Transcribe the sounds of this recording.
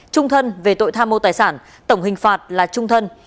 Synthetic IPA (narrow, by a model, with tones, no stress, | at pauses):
t͡ɕʊ˧ŋ͡mt̪ʰə˧nve˨˩t̪o̰˧˨jt̪ʰaː˧mːo˧t̪aː˨˩jsaː˧˩n | t̪ə˧˩wŋ͡mɦï˨˩ŋ̟faː˨˩t̚laː˨˩t͡ɕʊ˧ŋ͡mt̪ʰə˧n